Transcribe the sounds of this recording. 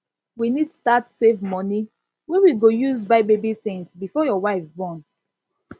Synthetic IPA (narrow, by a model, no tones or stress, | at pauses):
winidtu̥statsevmɔni | wɛwiɡojuzbaɪbebiθɪ̃ŋsbifɔjɔwaɪfbɔ̃n